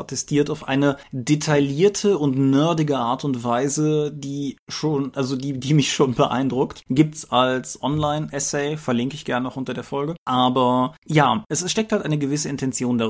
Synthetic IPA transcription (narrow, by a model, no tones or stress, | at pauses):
otʰɛstʰiːɐtaʊfʔa̰ɪnədetʰaliːɐtʰəʊntnœɐdɪɡəʔaːɐtʊntv̥aɪzədiːʃoːnʔalzodiːdiːmɪçʃoːnbəʔa̰ɪndʁʊktɡ̥iːp̚tsʔalsʔɔnlaɪnʔɛsɛɪfɛɐlɪŋkəɪçɡ̥ɛɐnənɔxʔʊntɐdeːɐfɔlɡəʔaːbɐjaːʔɛsʃtɛk̚thaltʔa̰ɪnəɡəvɪsəɪntʰɛnt͡sjoːndaʁ